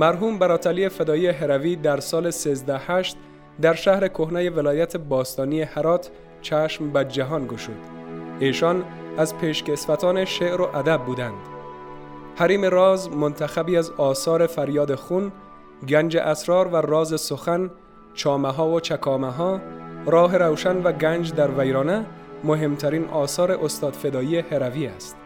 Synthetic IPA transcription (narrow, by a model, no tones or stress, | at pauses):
mæɾɦuːmbæɾɒːt̪ʰæliːefed̪ɒːjiːeɦeɾæviːd̪æɾsɒːle̞seːzd̪æhæʃt̪ | d̪æɾʃæhɾe̞kʰohnæjevelɒːjæt̪ʰebɒːst̪ɒːniːehæɾɒːt̪ʰ | t͡ʃʰæʃmbæd͡ʒæɦɒːnɡoʃuːd̪eːʃɒːn | æzpʰeːʃkesfæt̪ʰɒːneʃeʔɾo̞ʔæd̪æbːuːd̪ænd̪̥ | hæɾiːmeɾɒːzmont̪ʰæxæbiːæzɒːsɒːɾefæɾjɒːd̪exun | ɡænd͡ʒḛʔæsɾɒːɾværɒːzesoxæn | t͡ʃʰɒːmaɦɒːvot͡ʃʰækʰɒːmaɦɒːɾɒːɦeɾawʃænvæɡænd͡ʒd̪æɾvæjɾɒːne | moɦe̞mt̪ʰæɾiːnʔɒːsɒːɾeʔost̪ɒːd̪̥fe̞d̪ɒːiːeheɾæviːæst̪